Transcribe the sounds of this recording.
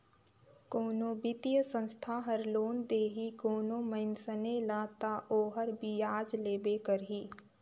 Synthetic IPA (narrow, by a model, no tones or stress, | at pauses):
koːnõːbɪt̪ijəsə̃nst̪ʰaːɦəɾloːnd̪eːɦikoːnõməɪnsənelaːt̪aːʔoːɦəɾbiaːd͡ʒleːbeːkəɾɦiː